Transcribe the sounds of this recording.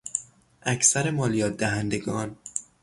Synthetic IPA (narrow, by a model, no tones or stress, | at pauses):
ʔæcsæɾemɒːlijɒːt̪̚d̪æɦænd̪e̞ɡɒːn